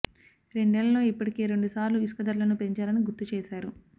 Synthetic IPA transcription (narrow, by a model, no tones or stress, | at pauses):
ɾe̞ɳɖeːlɐlo̞ːipːɐʈike̞ːɾe̞ɳɖusaːɾluiskɐd̪ɐɾlɐnupe̞ɲt͡ʃaːlɐniɡut̪ːut͡ʃeːʃaːɾu